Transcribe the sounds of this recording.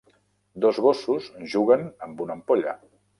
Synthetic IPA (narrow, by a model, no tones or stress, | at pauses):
d̪ozɣosuzʒuɣənəmbunəmpoʎə̰